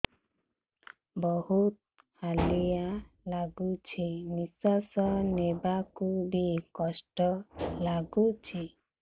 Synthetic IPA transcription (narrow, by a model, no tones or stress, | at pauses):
bɔhut̪̚ | halija | laɡut͡ʃʰimisɔsɔnebakubikɔsʈɔlaɡut͡ʃʰi